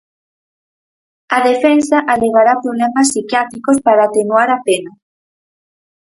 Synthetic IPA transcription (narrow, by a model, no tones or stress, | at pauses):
aðefensaʔaleɣaɾapɾoβlɛmasːikjat̪ɾikospaɾaːt̪enuaɾapena